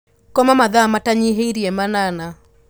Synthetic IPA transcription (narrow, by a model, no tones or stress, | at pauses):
kɔmamaðamataɲiɦeiɾiɛmanana